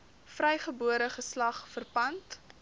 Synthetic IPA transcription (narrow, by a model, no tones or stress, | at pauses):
frɛjχəbuəɾəχəslɐχfərpɐnt